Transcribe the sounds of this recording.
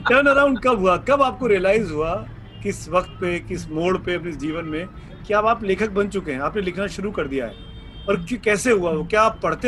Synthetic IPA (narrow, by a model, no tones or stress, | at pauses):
ʈəːnɐɾãʊ̃ɳɖkɐbɦuakɐbaːp̚koɾiəlaːɪzɦua | kɪsʋɐqt̪̚pekɪsmoːɽpeɐpnisd͡ʒiːʋənmẽ | kiaːbaːpleːkʰək̚bɐ̃nt͡ʃʊkeɦɛ̃aːpnelɪkʰnaʃʊɾukɐɾd̪ija̰ɦɛ̰ː | ɔːɾkkɛːseɦuaokjaːpːɐɽ̤t̪e